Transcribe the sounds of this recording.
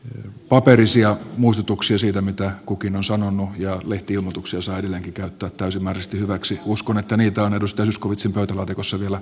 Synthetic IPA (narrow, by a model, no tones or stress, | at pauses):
pɑperisiɑmuist̪ut̪uksiɑsiːt̪æmit̪ækukinonsɑnonːujɑleht̪iilmot̪uksiɑsɑiedelːeːŋkikæyt̪ːæːt̪t̪æysimːæːrsest̪ihyʋæksiuskonet̪ːæniːt̪æonedust̪ɑjɑsyskoʋit̪simpøyt̪ælɑːt̪ikosːɑʋielæ